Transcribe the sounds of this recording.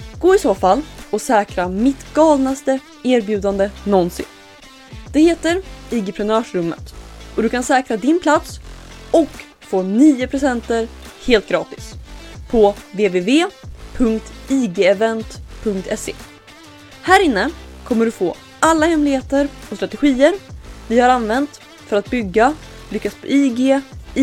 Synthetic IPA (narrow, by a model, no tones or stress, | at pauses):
ɡ̥oːɪsoːfalːɔsɛːkɾamɪt̪ɡɑːlnast̪ə | eːɾbjʉ̟ːd̪and̪ənɔnsɪ̰n | d̪̥ɛheːt̪əɾiɡɪpʰɾɛnœːʂɾɵmːə̰t̪ɔd̪ɵkʰansɛːkɾad̪ɪnpʰlat̪sɔk | foːniːʊpʰɾʊsɛnt̪əɾheːlt̪̚ɡɾɑːt̪ɪ̥spʰɔveːveːveːpʰɵŋkt̪iːɡeːɛvɛnt̪pʰɵŋkt̪ʰɛsḛː | hæːɾɪnːəkʰɔmːəɖɵfoː | alːahɛmlɪheːt̪əɾɔst̪ɾat̪ɛɧiːəɾvɪhaɾanvɛnt̪ | fœɾat̪̚bʏɡːa | lʏkːatspʰɔiːɡeː